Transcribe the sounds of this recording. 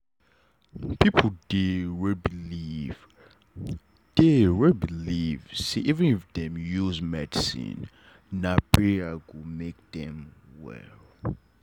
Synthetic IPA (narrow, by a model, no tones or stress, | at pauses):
pʰipʰudeɹibiliv | d̥eɹibilivsiʔivɛ̃nifdɛ̃mjuzmɛdisḭ̃n | nabiaɡumek̚dɛ̃mwɛ̰l